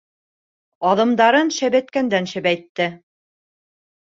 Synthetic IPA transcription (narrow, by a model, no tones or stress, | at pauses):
ɑðɤ̆md̪ɑɾɤnʃæβæjt̪̚kænd̪ænʃɘbæjt̪ːɘ